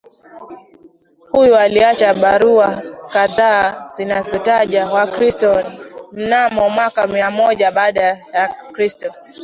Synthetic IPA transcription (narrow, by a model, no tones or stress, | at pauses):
hujɔaliat͡ʃaɓaɾuakaðaːzinazɔtaʄawakɾistɔnm̩namɔmwakamiamɔʄaɓaːɗajakɾistɔ